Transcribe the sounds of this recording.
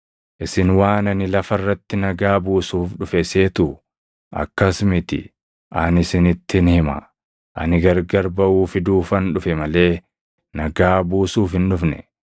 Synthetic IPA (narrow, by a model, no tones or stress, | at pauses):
ʔɪsɪnwaːnɐnɪlɐfɐrːɐt̪ːɪnɐɡaːbuːsuːfᶑʊfɛse̞ːt̪ʊ | ʔɐ̰kːɐsmɪt̪ɪ̰ | ʔɐnɪsɪnɪt̪ːɪnhɪmɐ̰ | ʔɐ̰nɪɡɐɾɡɐɾbɐʔuːfɪd̪uːfɐnᶑʊfɛmɐle̞ː | nɐɡaːbuːsuːfhɪnᶑʊfnɛ̰